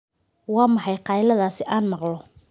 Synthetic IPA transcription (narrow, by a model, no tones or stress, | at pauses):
wɑːmɑħɑjqɑjlɐðaːsɪʔaːnmɑqlɔ